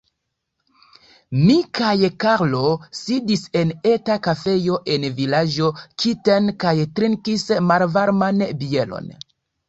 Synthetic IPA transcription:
mikʰajkaɾlosidise̞netakafe̞jo̞ʔe̞nvilad͡ʒo̞kʰitenkajtɾiŋkismalvaɾmanbie̞lo̰n

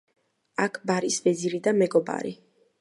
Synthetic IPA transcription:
akʰbaɾisvɛd̪ziɾid̪amɛɡɔba̰ɾḭ

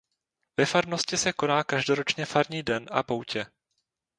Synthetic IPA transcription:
vɛfaɾno̞scɪsɛko̞naːkaʒdo̞ɾo̞t͡ʃɲɛfaɾɲiːdɛnʔa̰po̞wcɛ

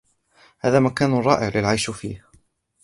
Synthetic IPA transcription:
haːðaːmakaːnʊrˤɑːʔɪʕlɪlʕajʃfiːh

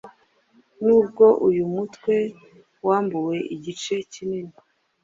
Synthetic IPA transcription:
nuːb̚ɡo̞ʔujumutkwe̞ | waːmbuwe̞ʔiɟit͡ʃe̞cinini

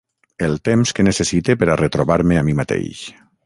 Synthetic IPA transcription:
elˠt̪emskenesesit̪epeɾaret̪ɾoβaɾmeamimat̪ḛjʃ

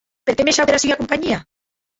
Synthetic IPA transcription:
peɾkemeʃaweɾasiɣakompaɲia

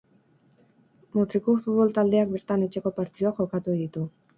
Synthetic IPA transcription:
mut̪ɾikufut̪βo̞lt̪ald̪e̞ak̚beɾt̪anet͡ʃe̞ko̞paɾt̪iðoaxo̞kat̪ueðit̪u

